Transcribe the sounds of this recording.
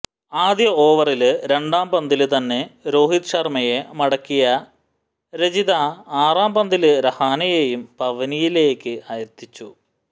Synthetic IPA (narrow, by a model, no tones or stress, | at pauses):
aːd̪jɐo̞ːʋɐrilɨɾe̞ɳɖaːmbɐnd̪ilɨt̪ɐnːe̞ɾo̞ːɦit̪ʂɐrmɐjemɐɽɐkːijɐ | ɾed͡ʑiðaːaːraːmbɐnd̪ilɨɾɐhaːnɐjejumpɐʋɐnijile̞ːkːɨʔɐjɐɾt̪ːit͡ɕːu